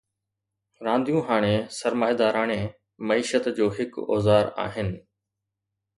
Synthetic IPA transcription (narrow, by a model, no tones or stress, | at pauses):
ɾãːnd̪ʱijũːɦaːɽ̃esɐɾmaːɦed̪aːɾaːɽ̃e | mɐiːʃət̪d͡ʑoːɦɪkɔ̰ːzaːɾa̰ːɦɪnɪ̆